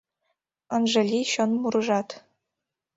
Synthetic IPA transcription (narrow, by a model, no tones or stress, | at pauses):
ɤ̆nʐɤ̆lʲiɕɤ̆nmuɾɤ̆ʐɑt̪